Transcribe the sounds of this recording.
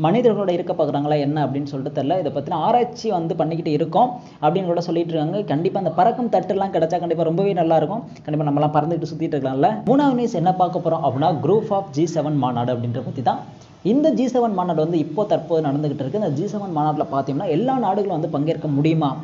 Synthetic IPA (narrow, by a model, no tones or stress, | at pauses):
mɐnɪðɐɾɣɐɭoːɽɐɪɾɯkːɐpːoːkɯɾaːŋɡɐɭaːɛnːɐɐpːɐɽɪnːɯsɔlʈːɯt̪ːɐlːɐɪðɐpːɐːt̪ːɪnãːaːɾaːt͡ʃːiʋɐnd̪ɯpɐɳːɪkːɪʈːɯɪɾɯkːʊ̃ | ɐpːɐɽɪnɐkoːɽɐsɔlːɪɪʈːɾɯkːaːŋɡɐkɐɳɖɪpːaːɪnd̪ɐpɐɾɐkːɯmt̪ɐʈːɛlːãːkɪɽɛt͡ʃːaːkɐɳɖɪp̬ːaːɾɔmbɐʋeːnɐlːaːɪɾɯkːʊ̃ | kɐɳɖɪpːaːnɐmɐɛlːãːpɐɾɐnd̪ɯkɪʈːɯsʊt̪ːɪkɪʈːɾɯkːɭãːɪlːɐmuːnaːʋniːsɛnːɐpaːɾkɐpːɔːɾõːʔɐpːɐɽɪnːaːɡɾuːfaːfd͡ʒiːsɛʋɐnmaːnaːɽɐpːɐɽɪnrɐpɐt̪ːit̪ãː | ɪnd̪ɐd͡ʒiːsɛʋɐnmaːnaːɽʋɐnd̪ɯɪpːoːt̪ɐɾpoːðɯnɐɽɐnd̪ɯkɪʈːɪɾɯkːɯɪnd̪ɐd͡ʒiːsɛʋɐnmaːnaːɽlɐpaːɾt̪ɪŋʊ̃mnːaːɛlːaːnaːɽɯɣɐɭʊ̃ʋɐnd̪ɯpɐŋɡeːɪɾɯkːɐmʊɽɪjɯmaː